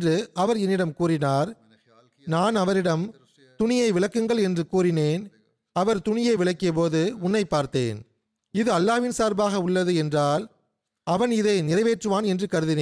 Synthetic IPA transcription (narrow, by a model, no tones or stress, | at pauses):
drɯɐʋɐɾɛnːɪɽɐmkuːɾɪnaːɾ | naːnɐʋɐɾɪɽɐm | t̪ʊɳɪjɐɪʋɪɭɐkːɯŋɡɐɭɛndrɯkuːrɪneːn | ɐʋɐɾt̪ʊɳɪjɐɪʋɪɭɐkːɪjɐp̬oːðɯʊnːɐɪpːaːɾt̪ḛːn | ɪðɯɐlːaːʋɪnsaːɾbaːɣɐʊɭːɐðɯɛndraːl | ɐʋɐnɪðɐɪnɪɾɐʋeːʈrɯʋaːnɛndrɯkɐɾɯðɪneːn